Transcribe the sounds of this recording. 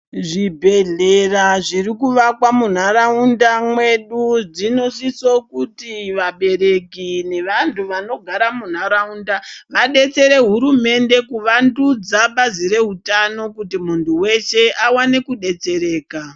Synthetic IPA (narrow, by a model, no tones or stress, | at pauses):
ʐibʱe̞ɮeraʐirikuʋakwamun̤aɾaundamwe̞ɗud͡zino̞sisokutiʋaɓe̞ɾe̞kine̞ʋantʰuʋano̞ɡʱaɾamun̤aɾaundaʋaɗe̞t͡se̞ɾe̞ɦuɾume̞nde̞kuʋandud͡zaɓaziɾe̞ɦutano̞kutimuntʰuwe̞ʃe̞ʔawane̞kuɗe̞t͡se̞ɾe̞ːka